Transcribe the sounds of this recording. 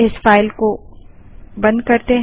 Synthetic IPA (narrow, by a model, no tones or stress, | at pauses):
ɪsfaːɪlko | bɐ̃nd̪̚kɐɾt̪eɦ